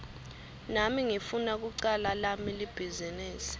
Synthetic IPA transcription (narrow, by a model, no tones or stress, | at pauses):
namiŋifunak̬uǀalalamilib̥ʱizinɛːsɛ̥